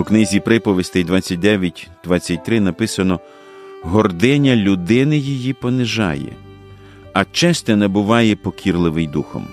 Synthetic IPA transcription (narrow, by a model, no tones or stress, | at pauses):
uknɪzʲipɾɪpɔʋʲisʲt̪ɪjd̪ʋɑt͡sʲːɐt̚ʲd̪ɛʋʲjɐtʲd̪̥ʋɑt͡sʲːɐt̚ʲt̪ɾɪnɐpɪsɐnɔ | ɦɔrd̪ɪnʲɐlʲʊd̪ɪnɪjijipɔnɪʒɑ̰jɛ̰ | ɐt͡ʃɛsʲt̪ʲɛnɛbʊʋɑjɛpɔkʲirlˠɪʋɪjd̪uxɔ̰m